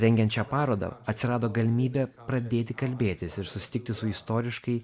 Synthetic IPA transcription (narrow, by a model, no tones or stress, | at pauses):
ɾʲɛŋʲɡʲɛntt͡ʃʲɛpɑːɾoːd̪ɐ̰ɐt̪ʲsʲɪɾɑːd̪oːɡɐlʲɪmʲiːbʲeːpɾɐd̪ʲeːt̪ʲɪkɐlʲbʲeːt̪ʲɪsɪɾsʊsʲɪt̪ʲɪk̚t̪ʲɪsʊɪst̪oːɾʲɪʃkɐɪ